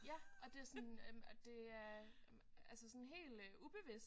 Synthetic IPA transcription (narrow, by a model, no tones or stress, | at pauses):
jæʔɒ̽d̥e̝æɐsɔnd̥e̝æɐ | ælsəsɔ̽nɦe̝̰ːld̥ub̥e̝ʋis